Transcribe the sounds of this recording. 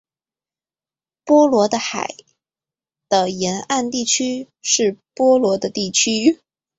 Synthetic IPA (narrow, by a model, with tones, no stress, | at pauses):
pwɔ˥lwɔ˧˥d̪ə˧xa̰˨˩ɪ | d̪̥ə˧jɛ˧˥na˥˧nt̪i˥˩t͡ɕʰy˥ | ʂɻ̩˥˩pwɔ˥lwɔ˧˥d̪ə˧t̪i˥˩t͡ɕʰy˥